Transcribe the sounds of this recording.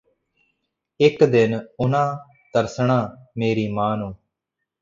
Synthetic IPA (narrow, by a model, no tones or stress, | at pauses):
ɪkd̪ɪnʊnãː | t̪əɾsɳ̃ãːmeːɾiːmãːnũː